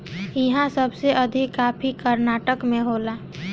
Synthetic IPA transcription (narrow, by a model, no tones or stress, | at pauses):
ɪɦãsəbseʔəd̪ʱikːaːpʰikəɾnaːʈəkmẽɦoːlaː